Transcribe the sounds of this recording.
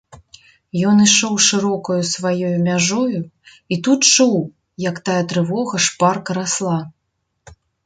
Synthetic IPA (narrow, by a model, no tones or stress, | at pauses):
jɔniʂɔwʂɨɾɔkɐjusvajɔjumʲaʐɔju | it̪ut̪t͡ʂuw | jɐkt̪ajɛt̪ɾɨvɔɣɐʂparkɐɾaslˠa